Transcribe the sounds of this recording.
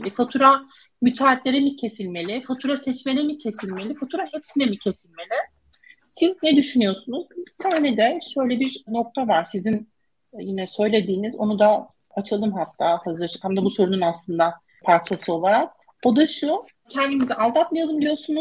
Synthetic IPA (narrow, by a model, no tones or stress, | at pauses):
fat̪ʰuɾa | myt̪ʰaːt̪lʲe̞ɾɛmicʰe̞silʲme̞lʲɪfat̪ʰuɾasɛt͡ʃme̞lʲɛmicʰe̞silʲme̞lʲifat̪ʰuɾahepsinɛmicʰe̞silʲme̞lʲɪ | siznɛd̪yʃynyjo̞sunuzbit̪ʰaːnɛd̪ɛʃø̞jlʲɛbiɾno̞k̚t̪ʰavaɾsizin | jinɛsø̞jlʲe̞d̪iːnizo̞̰nud̪a | at͡ʃʰɯlˠɯmɦat̪ʰːaːhazɯɾt͡ʃkʰamd̪abuso̞ɾununaslˠɯnd̪a | pʰaɾt͡ʃʰasɯo̞lˠaɾak̚ | o̞d̪aʃu | cʰɛnd̪imizɛʔalˠd̪at̪mijod̪ˠumd̪ijo̞sunuz̥